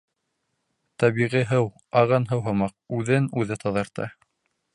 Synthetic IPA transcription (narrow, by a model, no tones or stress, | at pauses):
t̪æβiʁiɦɤw | ɑʁɤnɦɤwɦɤ̆mɑq̚ʉðɘnʉðɘt̪ʰɑðɑɾt̪ɑ̰